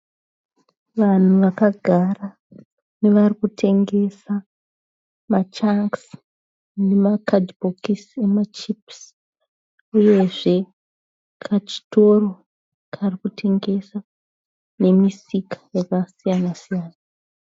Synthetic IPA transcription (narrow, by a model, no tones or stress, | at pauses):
ʋan̤uʋakaɡʱara | ne̞ʋarikutʰe̞ŋɡe̞sa | mat͡ʃaŋks | ne̞makadbokise̞mat͡ʃips | uje̞ʐe̞ | kʰat͡ʃi̥to̞ro̞ | kʰarikutʰe̞ŋɡe̞sa | ne̞misikḁjekasijanasijaːna